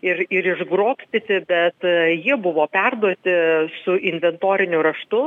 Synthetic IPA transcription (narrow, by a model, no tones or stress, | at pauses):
ɪɾɪɾɪʒɡɾoːpʲsʲt̪ʲɪt̪ʲɪbʲɛt̪jiɛbʊʋoːpʲɛrd̪uɔt̪ʲɪsʊʔɪnʲʋʲɛnt̪oːɾʲɪnʲʊɾɐʃt̪ʊ